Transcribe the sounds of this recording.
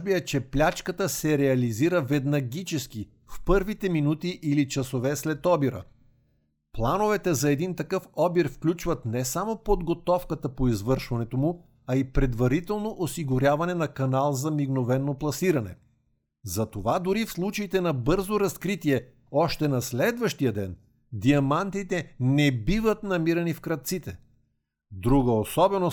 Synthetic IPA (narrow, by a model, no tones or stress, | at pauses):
biɛt͡ʃɛplʲat͡ʃkət̪əsɛɾɛɐliziɾəvɛd̪nɐɡʲit͡ʃɛsk̟i | fpɤɾvit̪ɛminut̪iʔilit͡ʃɐsovɛslɛt̪ɔbiɾə̰ | plˠanovɛt̪ɛzɐɛd̪int̪ɐkɤfɔbiɾfklʲut͡ʃvɐt̪nɛsamopod̪ɡot̪ɔfkət̪əpoizvɤɾʃvɐnɛt̪omu | ɐipɾɛd̪vɐɾit̪ɛlˠnoʔosiɡʊɾʲjavɐnɛnɐkɐnalˠzɐmiɡnovɛnːoplˠɐsiɾɐnɛ̰ | zɐt̪ovad̪ʊɾifslˠut͡ʃəit̪ɛnɐbɤɾzoɾɐskɾit̪iɛ | ɔʃt̪ɛnɐslɛd̪vɐʃt̪ijəd̪ɛn | d̪iɐmant̪it̪ɛnɛbivət̪nɐmiɾɐnifkɾɐt̪t̪sit̪ɛ | d̪ɾuɡəosɔbɛno